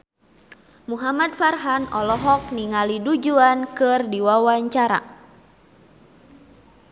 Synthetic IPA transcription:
muɦamadfarɦanɔlɔɦɔk̚niŋalidud͡ʒuankɨrdiwawaɲt͡ʃaɾa̰

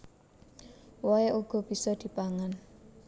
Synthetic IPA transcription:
wɔeʔuɡ̥ɔ̤b̥i̤sɔd̪̥i̤paŋan

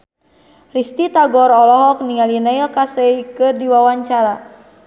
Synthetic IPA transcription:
rist̪it̪aɡɔɾɔlɔɦɔk̚niŋalinailkasɛikɨrdiwawaɲt͡ʃaɾa

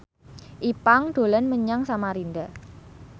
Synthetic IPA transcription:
ʔipaŋd̪̥o̤lanməɲaŋsamaɾind̪a

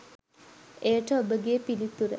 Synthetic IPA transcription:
ejəʈəobəɡeːpilit̪uɾə̰

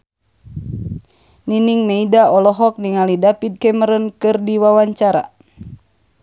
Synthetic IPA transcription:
niniŋmeidaɔlɔɦɔk̚niŋalidapid̪̚kɛməɾənkɨrdiwawaɲt͡ʃaɾa̰

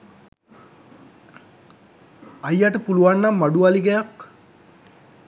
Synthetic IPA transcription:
ajaʈəpuluʋanːamːaɖuʋaliɡɛjak

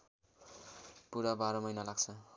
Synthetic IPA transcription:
puɾabaɾʌmʌjnalaɡt͡sʰʌ

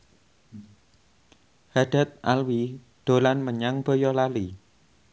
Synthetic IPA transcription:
had̥a̤t̪̚ʔalwi | d̪̥o̤lanməɲaŋb̥o̤jɔlali

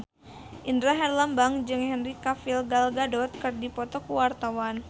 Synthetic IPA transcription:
ʔindɾaɦɛrlambaŋd͡ʒɨŋhɛnrikafilɡalɡadɔt̪̚kɨrdipɔt̪ɔkuwart̪awan

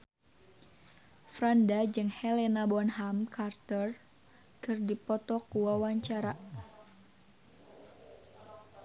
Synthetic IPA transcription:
fɾandad͡ʒɨŋhɛlɛnabɔnɦamkʰart̪ər | kʰɨrdipɔt̪ɔkuwawaɲt͡ʃaɾa

